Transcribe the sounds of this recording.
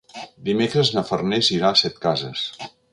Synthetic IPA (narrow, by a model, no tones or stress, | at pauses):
d̪imekɾəznəfərneziɾasɛt̪kazəs